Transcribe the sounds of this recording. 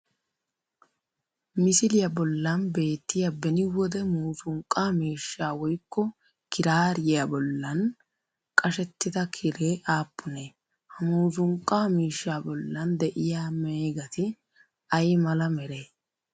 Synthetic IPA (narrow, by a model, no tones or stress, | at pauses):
mɪsɪlɪjɐbɔlːɐnbe̞ːt̪ːɪjɐbɛnɪwɔd̪ɛmuːzʊŋkʼːaːmiːʃːaːwɔjkːɔ | kɪɾaːɾjɪjabɔlːɐn | kʼɐʃɛt̪ːɪd̪ɐkʰɪɾe̞ːʔaːpːʊneː | hɐmuːzʊŋkʼːaːmiːʃːaːbɔlːɐnd̪ɛʔɪjaːmeːɡɐt̪ɪ | ɐjmɐlɐmɛɾeː